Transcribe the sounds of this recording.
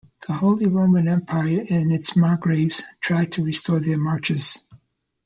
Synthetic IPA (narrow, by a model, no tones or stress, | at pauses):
ðəhoʊlˠiɹõʊ̃mɨ̃nɛ̃mpʰaɪə˞ɪ̃nɨtsmɑɹɡɹeɪvz̥tʰɹ̥aɪd̚tʰɨɹistʰɔɹðə˞mɑɹt͡ʃɨz̥